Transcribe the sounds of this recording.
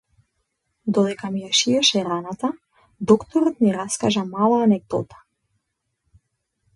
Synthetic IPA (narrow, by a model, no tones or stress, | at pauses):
d̪ɔd̪ɛkamijaʃiɛʃɛɾanat̪a | d̪ɔkt̪ɔɾɔt̪niɾaskaʒamalˠaːnɛɡ̚d̪ɔ̰t̪ḁ